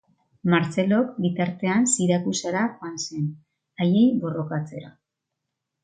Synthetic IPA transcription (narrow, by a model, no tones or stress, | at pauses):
maɾt͡se̞lo̞kbit̪aɾt̪e̞ansiɾakusaɾaxwanse̞n | aje̞jbo̞ro̞kat͡se̞ɾa